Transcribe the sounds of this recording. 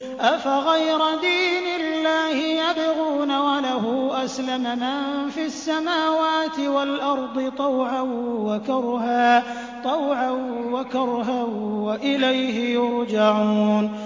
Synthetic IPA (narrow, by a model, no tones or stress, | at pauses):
ʔafaɣajɾad̪iːnɪlːaːhɪjad̪ɪɣuːnawalaɦuʔaslamamanfiasːamaːwaːt̪ɪwalʔɑɾˤd̪ˤɨt̪ˤɑwʕawwakɑɾhaː | t̪ˤɑwʕawakɑɾɦawaʔɪlajhɪjʊɾd͡ʒaʕuːn